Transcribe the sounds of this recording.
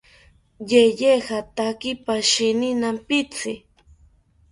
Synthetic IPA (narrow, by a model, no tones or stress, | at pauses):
jejehat̪akɪpaʃɪnɪnampɪt͡sɪ